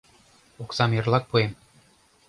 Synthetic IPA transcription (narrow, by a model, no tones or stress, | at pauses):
oksɑmjɤ̆rlˠɑk̚puem